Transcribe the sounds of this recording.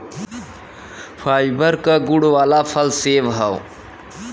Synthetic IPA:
pʰaːjbəɾkəɡuɽʋaːlapʰəlseʋɦəw

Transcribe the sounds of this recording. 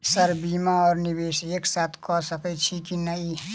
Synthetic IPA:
səɾbiːmaɔːɾnibeːseːksaːt̪ʰkɔsəpʰəit͡ʃʰikinəi

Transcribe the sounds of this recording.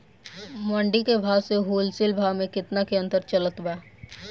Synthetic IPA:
məɳɖikebʱaːseɦuːlsɪlbʱaːmẽkɪt̪nakeɐ̃nt̪əɾt͡ʃələt̪baː

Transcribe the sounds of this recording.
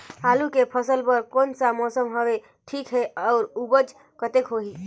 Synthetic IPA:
ɦalukepʰəsəlpəɾkonsamɔsəmɦəʋe | ʈʰikɦɛɔːɾubəd͡ʒ | kət̪ekɦoɦi

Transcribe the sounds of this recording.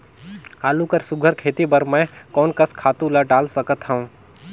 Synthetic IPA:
aːlukəɾsʊɡʱəɾkʰeːt̪ibəɾmɛ̃kɔːnkəskʰaːt̪ũləɖaːlsəkət̪ɦɛũː

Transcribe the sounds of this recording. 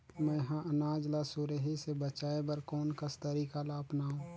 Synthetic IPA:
mɛ̃jɐɦãʔɐnaːd͡ʒlasʊɾeɦisebɐt͡ʃaːebɐɾkɔːnkɐst̪əɾiːkalaːpnaːɦũː

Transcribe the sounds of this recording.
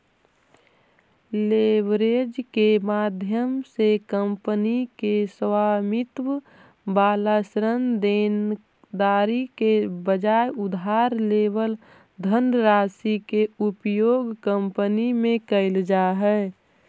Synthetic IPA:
leːʋɾed͡ʒkemaːd̪ʱjəmsekəmpənikeswaːmɪt̪w | baːlasɾənd̪eːn | d̪aːɾikebəd͡ʒajʊd̪ɦaɾleːʋəl | d̪ʱəndɾaːsikeʊpjoːɡkəmpənimẽkəɪld͡ʒaɦɛː

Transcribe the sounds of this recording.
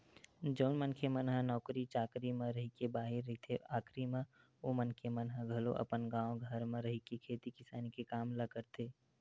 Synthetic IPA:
d͡ʒəːnmənkʰemənɦanɔːkɾit͡ʃaːkɾimẽɾəɦikebaːɦɪɾːəɦit̪ʰeʔaːkɾimẽ | omənkʰemənɦaɡʱɐloʔɐ̰pənɡãːõɡʱəɾmẽɾəɦikekʰeːt̪ikɪsaːnikekaːmləkəɾt̪ʰeː

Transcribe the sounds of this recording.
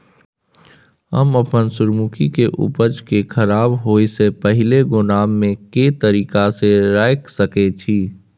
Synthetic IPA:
ɦə̰məpənsʊɾmukʰikeʔʊ̰pəd͡ʒkekʰəɾaːbɦoːisepəɦɪleɡʊnaːmːẽket̪əɾiːkaseɾaːɪksəket͡ʃʰiː

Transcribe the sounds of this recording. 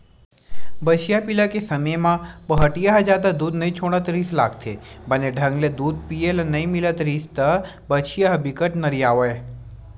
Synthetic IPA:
bət͡ʃʰijapilakesɐməjmãpəɦəʈijaɦd͡ʒaːd̪ad̪uːd̪nɐĩt͡ʃʰoːɽ̃ət̪ɾiːsla̰ːk̚t̪ʰḛbɐneɖʱɐ̃ŋɡled̪uːd̪̚pielɐnɐĩmɪlət̪ɾiːst̪ɐ | bət͡ʃʰijaɦbikəʈnəɾijaːʋe

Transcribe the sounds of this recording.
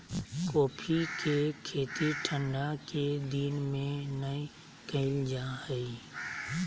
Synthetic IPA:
koːpʰikekʰeːt̪iʈʰə̃ɳɖaked̪iːnmẽnəi | kəɪld͡ʒahəi

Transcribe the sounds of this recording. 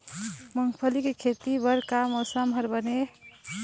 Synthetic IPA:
məŋɡpʰəlikekʰet̪ibəɾkamosamɦʌɾbəne

